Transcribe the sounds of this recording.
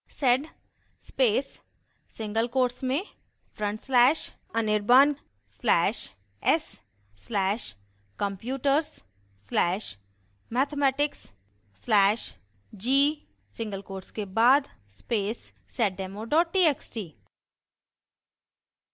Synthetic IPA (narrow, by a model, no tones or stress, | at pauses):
sɛɖ | speːsː | ɪ̃ŋɡəlkoːɾsmẽ | fɾə̃ɳʈslɛːʃ | ənɪɾbaːn | slɛːʃ | ɛsː | lɛːʃ | kə̃mpjuːʈəɾsː | lɛːʃ | mɛːt̪ʰemɛːʈɪksː | lɛːʃ | d͡ʒiː | sɪ̃ŋɡəlkoːɾskebaːd̪speːs | sɛʈ̚ɖeːmoɖɔːʈ̚ʈiːeːksʈiː